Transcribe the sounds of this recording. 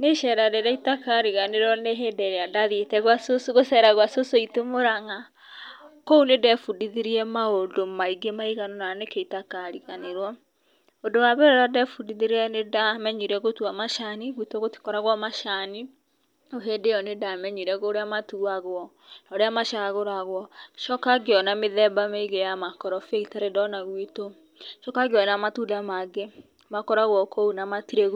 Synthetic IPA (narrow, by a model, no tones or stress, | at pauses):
neʃɛɾadedaitakaɾiɣaneɾɔneɦedɛɾeadaðietɛɣwasosoɣosɛɾaɣwasosoitemoɾaŋa | kounedɛfudiðiɾiɛmaondomaiɡemaiɣanonanekeitakaɾiɣaneɾwɔ | ondowaβɛɾɔɾadɛfudiðiɾɛnedamɛɲiɾɛɣotuamaʃaniɣwitɔɣoti̥kɔɾaɣwamaʃani | oɦedejɔnedamɛɲiɾɛɣoɾeamatuaɣwɔ | naoɾeamaʃaɣoɾaɣwɔʃɔkaɡeɔnameðɛbameiɣejamakɔɾɔfeitaɾedɔnaɣwito | ʃɔkaɡeɔnamatudamaɡe | makɔɾaɣwɔkʰounamatiɾeɣ